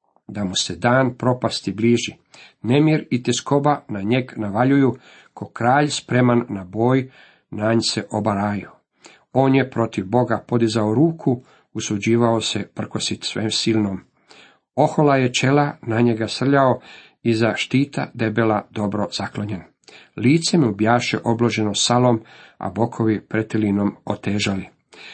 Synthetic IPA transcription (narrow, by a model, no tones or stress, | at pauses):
d̪amused̪aːnpɾo̞past̪ibliːʒi | ne̞mjiɾit̪esko̞banaɲe̞ɡnaʋaʎuju | kʰokɾaːʎspɾe̞manːabo̞ːj | naːɲseʔobaɾaːjio | o̞ːnjepɾo̞t̪iʋbo̞ɡapo̞d̪izaoɾuːkʰu | usud͡ʑiːʋaosepr̩ko̞sit̪sʋeːmsilnom | o̞xo̞lajet͡ʃe̞lanaɲeɡasr̩ʎao | izaʃt̪iːt̪ʰa̰d̪e̞be̞lad̪o̞bɾo̞z̥aklo̞ɲen | liːt̪semiubjaːʃḛʔo̞bloʒe̞nosaloma̰bo̞kʰo̞ʋipɾet̪ilino̞mot̪eːʒali